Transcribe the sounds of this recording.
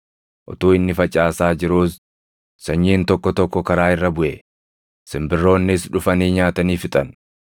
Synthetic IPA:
ʔɔ̰t̪uːɪnːɪfɐt͡ʃʼaːsaːd͡ʒɪɾuːs | sɐɲːiːnt̪ɔkːɔt̪ɔkːɔkɐɾaːɪrːɐbʊʔɛ | sɪmbɪrːo̞ːnːɪsᶑʊfɐniːɲaːt̪ɐniːfɪt̪ʼɐn

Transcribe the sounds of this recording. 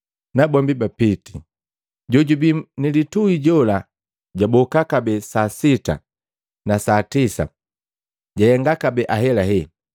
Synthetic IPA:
nabɔmbibapiti | ɟɔɟubinilituiɟɔla | ɟabɔkakabɛsasita̰ | nasatisa̰ | ɟajɛŋɡakabɛʔaɦɛlaɦɛ

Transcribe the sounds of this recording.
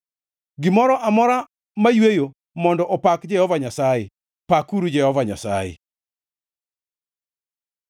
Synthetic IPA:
ɡɪmɔɾɔʔamɔɾa | majwejo | mɔndɔʔɔpakd͡ʒɛhɔvaɲasaje | pakuɾud͡ʒɛhɔvaɲa̰sa̰jḛ

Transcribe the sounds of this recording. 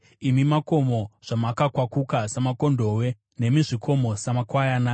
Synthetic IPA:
imimako̞mo̞ʐ̥amakakwakukasamako̞ndo̞we̞ | ne̞miʐikʰo̞mo̞samakwajana

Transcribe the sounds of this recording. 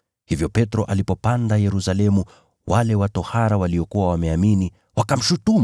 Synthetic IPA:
hivjɔpɛtɾɔʔalipɔpandajɛɾusalɛmu | wʔalɛwatɔhaɾawaliɔkuwawamɛamini | wakam̩ʃutum

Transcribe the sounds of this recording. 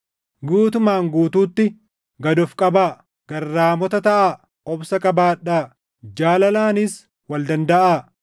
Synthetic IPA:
ɡuːt̪ʊmaːŋɡuːt̪uːt̪ːɪ | ɡɐd̪ɔfkʼɐbaː | ɡ̥ɐrːaːmɔt̪ɐt̪ɐʔaː | ɔbsɐkʼɐbaːᶑːaː | d͡ʒaːlɐlaːnɪs | wɐld̪ɐnd̪ɐʔaː

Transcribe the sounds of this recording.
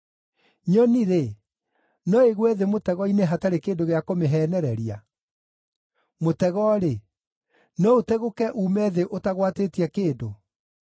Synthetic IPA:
ɲɔniɾe | nɔeɣwɛðemotɛɣɔineɦataɾekeːndoɣeakomeɦɛːnɛɾɛɾia̰ | motɛɣɔɾe | nɔotɛɣokɛʔuːmɛðeʔotaɣwateːtiɛkeːndo

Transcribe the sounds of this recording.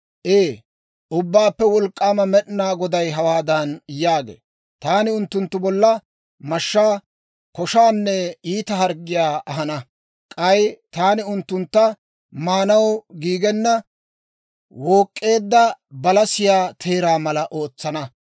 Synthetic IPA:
ʔeː | ʔʊbːaːpːɛwɔlkʼːaːmɐmɛɗɪnaːɡɔd̪ɐjɦɐwaːd̪ɐnjaːɡḛː | t̪aːnɪʊnt̪ːʊnt̪ːʊbɔlːɐ | mɐʃːaː | kɔʃaːnːɛiːt̪ɐɦɐɾɡɪjaːʔɐɦɐnɐ | kʼɐjt̪aːnɪʊnt̪ːʊnt̪ːɐ | maːnɐwɡiːɡɛnːɐ | woːkʼːe̞ːd̪ːɐbɐlɐsɪjaːt̪ʰe̞ːɾaːmɐlɐʔo̞ːt͡sːɐnɐ

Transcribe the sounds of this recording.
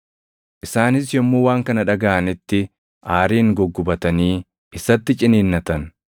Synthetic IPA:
ʔɪsaːnɪs̬jɔmːoːwaːŋkɐnɐᶑɐɡaːʔɐnɪt̪ːɪ | ʔaːɾiːŋɡɔɡːʊbɐt̪ɐniː | ʔɪsɐt̪ːɪt͡ʃʼɪniːnːɐt̪ɐn

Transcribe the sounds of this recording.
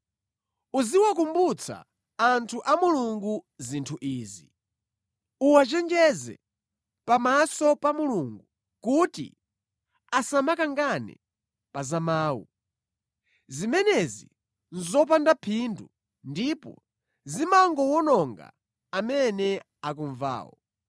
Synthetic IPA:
uziwak̬umbut͡sʰa̰ | antʰuʔamuluŋɡuzintʰuʔiːzi | uwat͡ʃɛnd͡ʒɛzɛ̰ | pamasɔpamuluŋɡu | kutḭ | asamakaŋɡanɛ̰ | pazamaːwṵ | zimɛnɛzi | nzɔp̬andapʰindu | ndipɔ̰ | zimaŋɡɔwɔnɔŋɡa̰ | amɛnɛ | ak̬uɱva̰ːwɔ̰

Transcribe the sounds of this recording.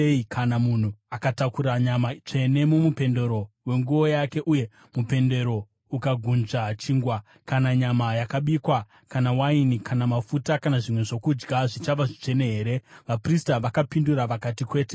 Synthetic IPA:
ikʰanamun̤uakatakuɾaɲamat͡ʂe̞ne̞momupe̞nde̞ɾo̞ | we̞ŋɡuo̞jake̞ʔuje̞ | mupe̞nde̞ɾo̞ | ukaɡʱunʐat͡ʃiːŋɡwa | kanaɲamajakaɓikwa | kanawainikʰanamafutakanaʐimwe̞ʐo̞kud͡ʒɡaʐit͡ʃaʋaʐit͡ʂe̞ne̞ɦeːɾe̞ʋapristaʋakapinduɾaʋakatikwe̞ːte

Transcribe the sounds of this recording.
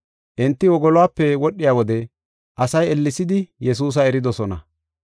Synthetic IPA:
ʔɛnt̪ːɪwɔɡɔlɔwaːpːɛwɔɗːɪjaːwɔd̪ɛ | ʔɐsɐjɛlːɪsɪd̪ɪjɛs̬uːs̬ɐɛɾɪd̪ɔsɔnɐ̰

